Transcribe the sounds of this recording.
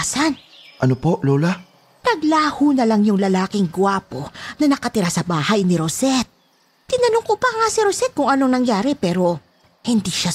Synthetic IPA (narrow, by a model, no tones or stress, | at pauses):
sanʔɐnopoʔloːla | nɐɡlaːhuːnɐlaŋjʊŋlɐlaːkɪŋɡwaːpo̞nɐnɐkɐt̪ɪɾasɐbaːhajnɪɾosɛt̪̚ | t̪ɪnɐnʊŋkopɐŋasiɾosɛt̪̚kʊŋɐnoŋnɐŋjaːɾɛpɛːɾo̞ | hɪnd̪iːʃa